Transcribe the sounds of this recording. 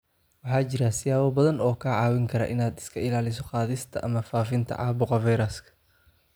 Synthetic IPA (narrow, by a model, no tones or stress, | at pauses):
wɑħɑːt͡ʃɪɾɐsɪjaːwɐbɐðɐnɔːkʰɐʕɑːwɪŋkʰɐɾɐ̰ʔɪnaːd̪ɪ̥skʰɐɪlaːlɪs̬ɔqɑːðɪst̪ʰɐʔɐ̰mɐfaːfɪnt̪ʰɐ̰ʕɑ̰ːbʊqɑvɛjɾɐskʰɐ̥